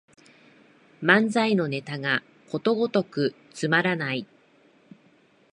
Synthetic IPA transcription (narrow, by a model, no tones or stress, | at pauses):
mãnd͡zaino̞ne̞t̪aɡa | ko̞t̪o̞ɡo̞t̪o̞kɯ̟ | t͡sɨmaɾanai